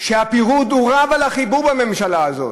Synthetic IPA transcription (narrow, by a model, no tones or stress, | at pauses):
ʃeapiʁud̪uʁavalaχibuʁbame̞mʃalaːzo̞̰t